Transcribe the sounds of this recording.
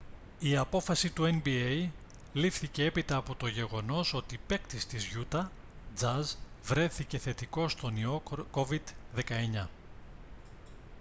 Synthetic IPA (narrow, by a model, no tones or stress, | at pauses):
iɐpo̞fɐsit̪ue̞nbiej | lifθice̞e̞pit̪ɐːpo̞t̪o̞ʝe̞ɣo̞no̞so̞t̪ipe̞kt̪ist̪izʝut̪ɐ | d͡zɐz | vɾe̞θice̞θe̞t̪iko̞st̪o̞nio̞ko̞vid̪ðe̞kɐe̞ɲɐ